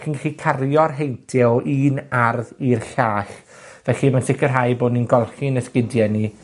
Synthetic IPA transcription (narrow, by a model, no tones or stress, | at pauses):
kinɡɛɬikʰarjɔrɦejntʰɪliːnarðirɬaːɬ | vɛɬimansɪkʰərɦajboːdninɡɔlˠχinəskɪdjɛni